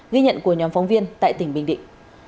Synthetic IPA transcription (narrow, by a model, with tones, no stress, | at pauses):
ɣi˧ɲə̰˧˨nku˧˩əɲɔ˨˦nfɔ˨˦wŋ͡mvi˧ənt̪a̰ː˧˨jt̪ï˧˩ŋ̟ɓï˧˩ŋ̟ɗḭ̈˧˨ŋ̟